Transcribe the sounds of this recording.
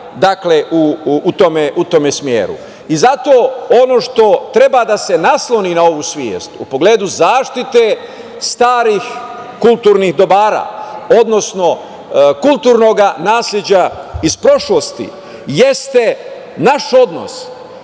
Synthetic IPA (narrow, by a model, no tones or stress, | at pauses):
d̪akleʔuːt̪omeʔut̪omesmjḛːɾṵ | izat̪o̞ːono̞ʃt̪o̞t̪ɾe̞bad̪ase̞naslˠo̞ninao̞ʋuːsʋjḛːst̪upo̞ɡleːd̪uzaːʃt̪it̪e | st̪aːɾix | kulˠt̪uːɾnixd̪o̞baːɾa̰ːo̞d̪no̞sno̞ | kulˠt̪uːɾno̞ɡanaːslʲed͡ʑaispɾo̞ʃlost̪ḭ | je̞st̪e̞ | naʃo̞d̪no̞̰s